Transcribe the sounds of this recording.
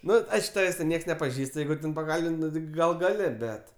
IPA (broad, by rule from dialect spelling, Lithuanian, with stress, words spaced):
ˈnʊ ˈɐɪʃk ˈtɑːʋʲeːsʲ tʲɛn ˈnʲiɛks nʲɛpɐˈʒʲiːst ˈjɛɪɡʊ tʲɛn pɐˈkɐlʲbʲɪnʲtʲ ˈnʊ tʲɪ ˈɡɐlˠ ˈɡɑːlʲɪ ˈbʲɛt